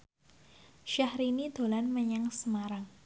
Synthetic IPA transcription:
ʃahɾinid̪̥o̤lanməɲaŋsəmaɾaŋ

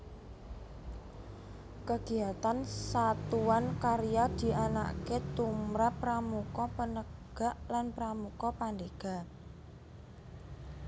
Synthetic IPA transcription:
kəɡ̥i̤at̪ansat̪uankaɾijad̪̥i̤ʔana̰ʔket̪umɾapːɾamukɔpənəɡ̥a̤ʔlanpɾamukɔpand̪eɡ̥a̤

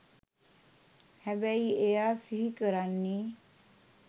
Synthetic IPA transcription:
hɛbɛiejasiɦikəɾanːi

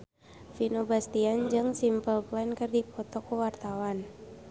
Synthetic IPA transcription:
finobast̪iand͡ʒɨŋsimpəlpankɨrdipɔt̪ɔkuwart̪awan

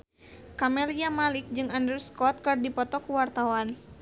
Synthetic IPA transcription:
kamɛliamalik̚d͡ʒɨŋandɾuskɔt̪̚kɨrdipɔt̪ɔkuwart̪awan

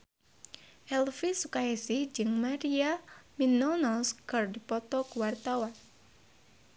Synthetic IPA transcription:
ʔɛlfisukaɛsɪhd͡ʒɨŋmaɾiaminɔnalskɨrdipɔt̪ɔkuwart̪awan

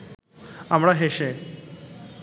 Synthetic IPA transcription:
amɽaɦeɕe

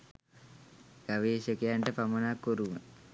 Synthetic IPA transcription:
ɡ̥aʋeːɕəkejaɳʈəpamənakːoɾuʋə

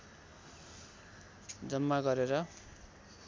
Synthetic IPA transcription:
d͡zʌmːaɡʌɾeɾʌ

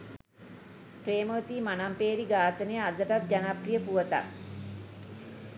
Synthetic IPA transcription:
preːmot̪iːmanampeːɾiɡaːt̪ənəjəad̪əʈat̪̚d͡ʒanaprijəpuʋət̪a̰

